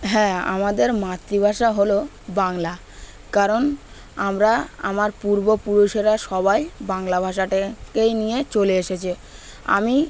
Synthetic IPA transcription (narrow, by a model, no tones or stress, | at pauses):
ɦɛ̃a̰mad̪eɾmat̪ːɾibʱaʃaɦolo | baŋla | kaɾon | amɾaa̰maɾpuɾbopuɾuʃeɾaʃɔβajbaŋlabʱaʃaʈekejnijet͡ɕoleeʃet͡ɕʰia̰mi